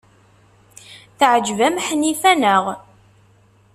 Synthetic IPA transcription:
θʕəd͡ʒvæmħnifænəʁ

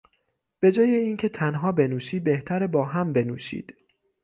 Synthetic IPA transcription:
b̥e̞d͡ʒɒːjeiːncʰe̞t̪ʰænɦɒːbe̞nuːʃiːbe̞ht̪ʰæɾebɒːɦæmbe̞nuːʃḭːd̪̥

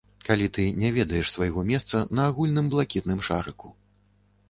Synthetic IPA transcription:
kalʲit̪ɨnʲɛvʲɛd̪ɐjɛʂsvajɣɔmʲɛst̪sɐnɐːɣulʲnɨmblˠakʲit̪nɨmʂaɾɨku̥

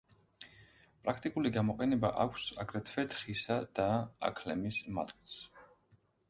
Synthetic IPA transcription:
pʼɾakʰt̪ʼikʼuliɡamɔqʼɛnɛba̰ʔakʷʰsaɡɾɛt̪ʰvɛt̪ʰχisad̪̥a̰ːkʰlɛmisma̰t̪ʼkʼilˠs

